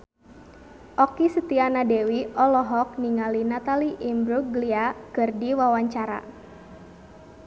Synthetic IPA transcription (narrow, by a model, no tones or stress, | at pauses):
ʔɔkisət̪ianadewiɔlɔɦɔk̚niŋalinat̪aliʔimbɾukɡliaɡ̥ərdiwawaɲt͡ʃaɾa̰